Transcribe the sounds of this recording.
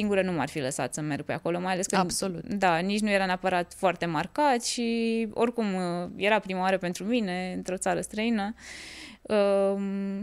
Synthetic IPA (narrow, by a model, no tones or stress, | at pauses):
iŋɡuɾənuma̰rfiləsa̰t̪səme̞rɡ̚peako̞lo̞majale̞skəsolut̪d̪anit͡ʃnuje̞ɾaneapəɾat̪foart̪e̞markat̪ʃio̞̰rkumje̞ɾapɾimawaɾəpe̞nt̪ɾumine̞ɨnt̪ɾo̞t̪saɾəst̪ɾəinə | ə